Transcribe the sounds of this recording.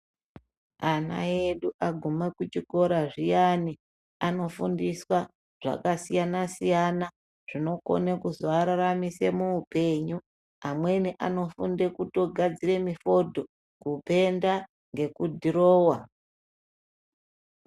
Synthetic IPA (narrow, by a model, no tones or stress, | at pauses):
ana̰eɗuʔaɡʱumekut͡ʃiko̞ɾaʐijani | ano̞fundiswa | ʐ̥a̰kasijanasijana | ʐ̥ino̞ko̞̰nekuzoaɾaramise̞muupe̞ɲu | amwe̞niʔano̞funde̞kuto̞ɡʱad͡zire̞mifo̞dʱo̞ | kupe̞nda | ŋɡe̞kudʱiroːwa